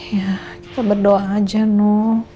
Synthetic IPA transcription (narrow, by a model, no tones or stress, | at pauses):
jaki̥t̪abərdoaːd͡ʒanʊ